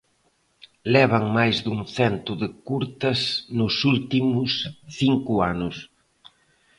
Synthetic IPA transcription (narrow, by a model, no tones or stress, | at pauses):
lɛβ̞ɐŋmajzd̪uŋθɛnt̪ʊðɪkuɾt̪ɐsnʊsult̪imʊsθiŋkʊanʊs